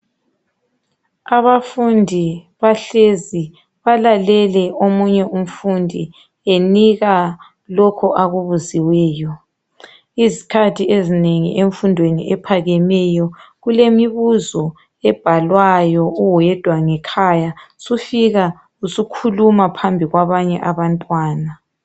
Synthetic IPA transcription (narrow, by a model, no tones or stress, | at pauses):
aβafundʱi | βaɬezi | βalalɛlɛʔomuɲɛum̩fundʱi | eniɣa | lɔkʰɔʔaɣuβuziwɛːjɔ | izikʰatʰiezineŋḭʔeɱfundʱwenḭʔɛpʰaɣɛmɛjɔɣulemiβuzɔ | ɛb̥ʱalwajɔuwɛd̥ʱwaŋɛkʰajasufiɣa | usukʰulumapʰambʱiɣwaβaɲɛʔaβantʼwaːna